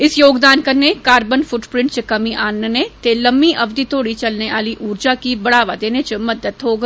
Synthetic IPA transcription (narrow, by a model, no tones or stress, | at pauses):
ɪsjoːɡd̪aːnkɐɾnekaːɾbənfʊʈpɾɪ̃ɳʈt͡ʃəkɐmiʔaːnːnet̪elɐmːiʔɐʋd̪it̪oːɽit͡ʃɐlneʋaːliʔuːɾd͡ʒakibɐɽaːʋad̪eːnet͡ʃəmɐd̪əd̪ɦoːɡ